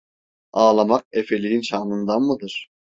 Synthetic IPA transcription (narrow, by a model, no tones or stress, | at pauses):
aːlˠamaq̚efelʲijinʃaːnɯnd̪anmɯd̪ɯɾ̥